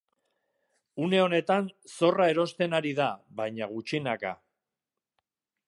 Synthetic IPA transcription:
une̞o̞ne̞t̪anso̞rae̞ɾo̞st̪e̞naɾiðaβajɲaɣut͡ʃinaka̰

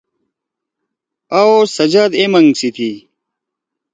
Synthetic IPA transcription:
aosɐd͡ʑaːd̪emɐŋɡsit̪ʰi

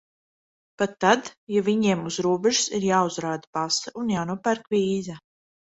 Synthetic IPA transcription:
pat̪ːad̪javiɲiɛmuz̥ɾuɔbɛʒu̥siɾjaːuzɾaːd̪abasaunjaːnuɔpæɾkvʲiːza

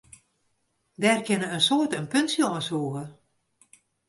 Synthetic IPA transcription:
dɛːrkɪnəənsoːtənpønsjɔənsuəɣə

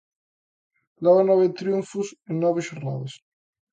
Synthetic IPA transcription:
laβanɔβet̪ɾjuɱfuseŋnɔβeʃoɾna̰ðes

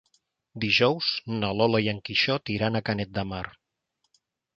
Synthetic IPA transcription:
d̪iʒɔwz̥nəlɔlajəŋkiʃɔt̪iɾanəkanɛt̪̚d̪əmaɾ

